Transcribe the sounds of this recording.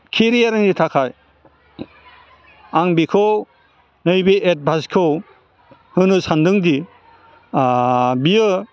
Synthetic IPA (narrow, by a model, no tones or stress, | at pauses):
kʰiɾijaɾɯŋditʰakʰaj | aŋbikʰɯw | nɯjbiʔet̚bʱaskʰɯw | hɯnɯsandɯŋdi | biɯ